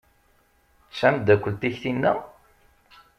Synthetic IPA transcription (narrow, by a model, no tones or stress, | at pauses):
t͡sːæmd̪ækʷːəlt̪içθinːæ